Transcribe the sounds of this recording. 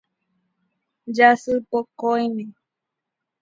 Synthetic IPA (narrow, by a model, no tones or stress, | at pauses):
d͡ʒasɨpokojmẽ